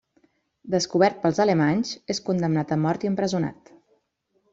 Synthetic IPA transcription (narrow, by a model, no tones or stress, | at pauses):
d̪əskuβ̞ɛɾt̪̚pəlˠzələmaɲzeskund̪əmnat̪əmːɔɾt̪iəmpɾəzuna̰t̪